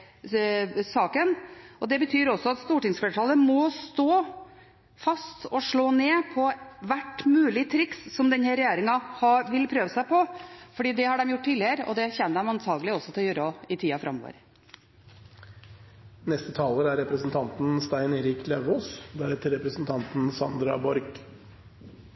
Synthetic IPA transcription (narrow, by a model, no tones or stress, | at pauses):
sɑːkənɔd̪ɛbət̪ʰyːɾɔsːɔɑt̪st̪uːʈɪŋsfɛʈʰɑːləmɔst̪oː | fɑst̪ɔʂɭoːneːpʰɔʋæʈːmʉːlɪt̪ʰɾɪksːɔmd̪ɛnhɛɾɛjeːɾɪŋɑhɑʋɪlpʰɾøːʋəsæɪpʰɔfɔɖiːd̪ɛhɑɖɛmjʊʈ̚ːʈːtiːlɪəɾɔ̰d̪ɛçɛnːəd̪ɛmɑnt̪ʰɑːɡəlɪɔsːɔt̪ʰɪljøːɾɔɪt̪ʰiːɑfɾɑ̰mɔ̰ːʋə̰ɾ | nɛst̪ət̪ʰɑːləɾæɾɛpɾəsnt̪ʰɑnt̪n̩st̪æɪneɾiːklɛʋoːsd̪æɾɛt̪ʰɪɾɛpɾəsnt̪ʰɑnt̪n̩sɑnd̪ɾɑ̰bɔɾɡ